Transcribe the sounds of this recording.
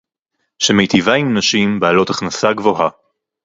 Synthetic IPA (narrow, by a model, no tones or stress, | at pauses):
ʃemejt̪ivaimnaʃimbaːlo̞taχnasaɡvo̞ɦa